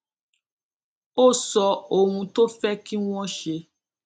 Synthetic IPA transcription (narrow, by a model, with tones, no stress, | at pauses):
o˦˨sɔ˧o˦˨ɦũ˧to˦fɛ˦ki˦w̃ɔ̃˦ʃe˧